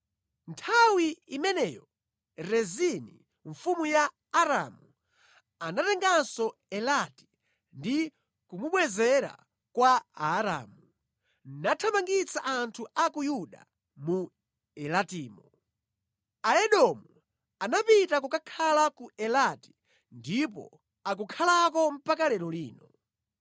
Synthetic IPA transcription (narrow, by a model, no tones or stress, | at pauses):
ntʰawiimɛnɛːjɔ | ɾɛzinḭ | ɱfumujaː | ɾamu | anatɛŋɡansɔɛlati̥ | ndi | kumuɓwɛzɛɾa̰ | kwaaːɾa̰ːmu | natʰamaŋɡit͡sʰaʔantʰuakujuɗa̰ | mu | ɛlatiːmɔ | aɛɗɔmu | anapitak̬ukakʰalakuɛlati̥ | ndipɔ̰ | ak̬ukʰalakɔm̩pakalɛɾɔliːnɔ